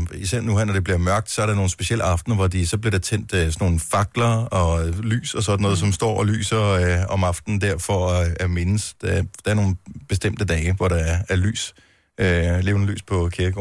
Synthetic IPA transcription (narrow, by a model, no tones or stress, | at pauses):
isæɐ̰nuhæɐnɒd̥e̝b̥liɐmɶɐɡ̥̚d̥sɒæɐɾ̥ɑno̝ːn̩sb̥e̝siel̰ɑ̈fd̥n̩ɐʋɒd̥isɒ̽bliɐɾ̥ɑ̈t͡sʰen̰d̥øsɒno̝ːn̩fɑ̈ɡ̥lɐɒ̽ly̰ːsɒsɒ̽dn̩ɔ̽ːð̞̩ˠsɒ̽msd̥ɒ̰ːɒ̽ly̰ːsɐɒ̽mɑ̈fd̥n̩d̥eɐ̰fɒæme̝nəsd̥d̥ɑ̈æɐno̝ːn̩b̥e̝sd̥em̰d̥əd̥ɛːɪʋɒɾ̥ɑ̈ɐæɐly̰ːs | øle̝ːʊnəly̰ːspʰɒ̽kʰiɐɡ̥